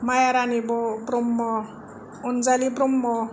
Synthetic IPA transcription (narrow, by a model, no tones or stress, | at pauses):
majaɾanibobɾomːɔ | ond͡zalibɾomːɔ